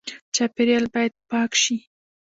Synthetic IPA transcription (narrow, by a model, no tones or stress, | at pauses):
t͡ʃapɪɾjɑlbɑjad̪̚pɑkʃi